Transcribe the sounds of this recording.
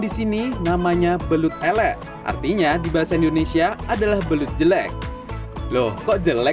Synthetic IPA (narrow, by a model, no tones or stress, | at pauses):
disininamaɲabəlʊt̪̚ɛlɛʔ | ʔa̰rt̪iɲadibaɦasaindonesiaadalahbəlʊt̪̚d͡ʒəlɛk̚ | lohkɔʔd͡ʒəlɛ